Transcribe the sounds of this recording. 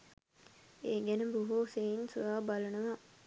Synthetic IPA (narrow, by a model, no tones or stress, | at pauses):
eːɡænəbuɦoseinsuʋaːbalənəʋa